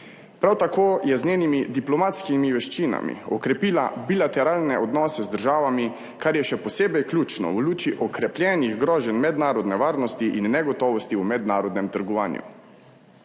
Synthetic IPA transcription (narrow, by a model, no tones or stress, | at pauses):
pɾawt̪akoːjɛzneːnimid̪iplɔmat̪skimiʋɛʃt͡ʃiːna̰mḭɔkɾɛpila̰bilat̪ɛɾaːlnɛʔɔd̪nɔːsɛzd̪əɾʒaːʋami | kaɾjɛʃɛpɔseːbɛjklʲjuːt͡ʃnɔ̰wluːt͡ʃiʔɔkɾɛplʲjɛːniɣɡɾɔːʒɛnmɛd̪naːɾɔd̪nɛʋaːɾnɔst̪iʔinːɛɡɔt̪ɔːʋɔst̪iumɛd̪naːɾɔd̪nɛmt̪əɾɡɔʋaːnjṵ